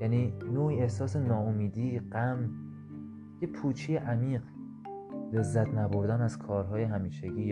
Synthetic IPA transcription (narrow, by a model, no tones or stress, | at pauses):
jæniːnoːiːehsɒːse̞nɒːomiːd̪iːɢæm | jepʰuːt͡ʃʰijeʔæmiːɢ | le̞zːæt̪ʰnæboɾd̪ænæz̥kʰɒːɾɦɒːjeɦæmiːʃeɟiː